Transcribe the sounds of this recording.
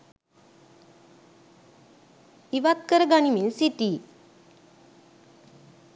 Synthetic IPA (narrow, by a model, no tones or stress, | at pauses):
iʋat̪̚kəɾəɡaniminsiʈi